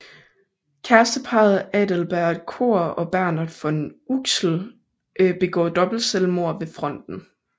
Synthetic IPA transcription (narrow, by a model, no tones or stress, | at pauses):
kʰæɐsd̥əpʰɑ̈ːð̩ˠɛd̥əlb̥æɐdkʰo̝̰ɐ̰ɒ̽b̥æɐ̰nəð̩ˠfɒ̽e̝nuɡ̥sl̩ | ʔb̥e̝ɡ̥ɒ̰ːd̥ɒ̽b̥l̩selmo̝ɐ̰ʋe̝fʁɒ̽n̰d̥n̩